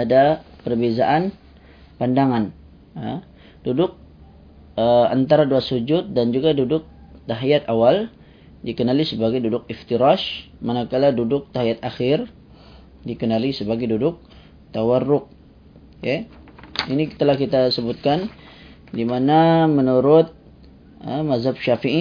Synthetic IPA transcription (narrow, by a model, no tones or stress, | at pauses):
adapərbezaʔan | pandaŋan | a | dudʊk̚ | əa̰nt̪aɾaduasud͡ʒʊt̪̚dand͡ʒuɡadudʊk̚t̪aɦjat̪awal | dikənalisəbaɡajdudʊk̚ift̪iɾaʃ | manakaladudʊk̚t̪aɦijat̪̚axɪr | dikənalisəbaɡajdudʊk̚ | t̪awarːʊk̚ | ja | inikt̪əlahkit̪asəbʊt̪̚kan | dimanamənuɾʊt̪̚ | əmazab̚ʃafii